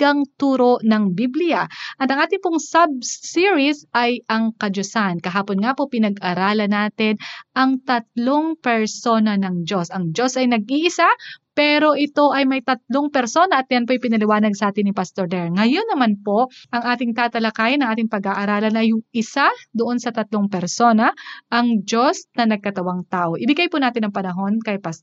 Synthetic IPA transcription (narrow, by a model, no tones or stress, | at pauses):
ɡɐŋt̪uːɾoʔnɐŋbiblɪjɐʔɐt̪ɐŋʔaːt̪ɪŋpoŋsɐb̚siɹisʔɐjɐŋkɐd͡ʒosankɐɦaːponŋaːpo̞pɪnɐɡʔɐɾaːlɐnaːt̪ɪnʔɐŋt̪ɐt̪̚lo̞ŋpɛɹso̞nɐnɐŋd͡ʒo̞sʔɐŋd͡ʒo̞sɐjnɐɡ̚ʔiːʔɪsapɛːɾo̞ʔɪt̪o̞ʔɐjmɐjt̪ɐt̪̚loŋpɛɾso̞nɐʔɐt̪̚jɐnpoʔɪjpɪnɐlɪwaːnɐɡ̚sɐʔaːt̪ɪnːɪpast̪oɹd̪ɛɹŋɐjo̞nːɐmanpo̞ʔʔɐŋʔaːt̪ɪŋt̪aːt̪ɐlɐkaːjɪnɐŋʔaːt̪ɪŋpɐɡaʔɐɾaːlɐnɐjŋɪsad̪oʔo̞nsɐt̪ɐt̪loŋpɛɾso̞nɐʔɐŋd͡ʒo̞snɐnɐɡ̚kɐt̪ɐwaŋt̪aːʔo̞ʔɪbɪɡajpʊnaːt̪ɪnɐŋpɐnɐɦo̞nkɐjpas